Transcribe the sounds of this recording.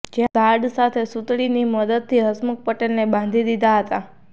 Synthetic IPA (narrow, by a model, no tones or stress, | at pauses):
d͡ʒeɡaɾɖsat̪ʰesut̪ɭiniməd̪əd̪̚t̪ʰːiɦəsmək̚pəʈelnebãnd̪ʱid̪id̪aɦət̪a